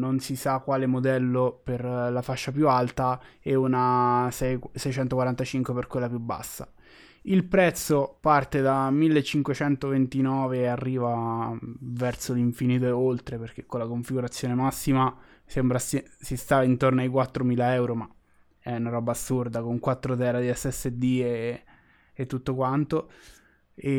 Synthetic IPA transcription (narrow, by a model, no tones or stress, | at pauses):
nonsisakːwaːlemod̪ɛlːoperlafaʃːapjualt̪a | ɛunasɛsɛjt͡ʃɛnt̪okwaɾant̪at͡ʃiŋkweperkwelːapjubːa̰sːa̰ | ilpɾɛt̪sːopart̪ed̪amilːet͡ʃːiŋkwet͡ʃɛnt̪ovent̪inɔːveːarːiːva | vɛrt̪soliɱfiniːt̪̬oeolt̪ɾeperk̟ekːolakoɱfiɡuɾat̪sːjoːnemasːima | sembɾasesist̪aint̪ornoajk̬wat̪ːɾomiːlaɛwɾoma | ɛunaɾɔbaːsurd̪akoŋkwat̪ːɾot̪ɛːɾad̪iɛsːɛsːed̪ieː | t̪ːut̪ːokwant̪o | e